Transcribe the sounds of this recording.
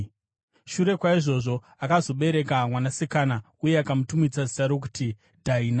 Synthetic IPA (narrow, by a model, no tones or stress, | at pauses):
ʃuɾe̞kwaiʐo̞ʐo̞ | akazo̞ɓe̞ɾe̞kamwanasikana | uje̞akamutumid͡zazi̥saɾok̬uti | dʱaina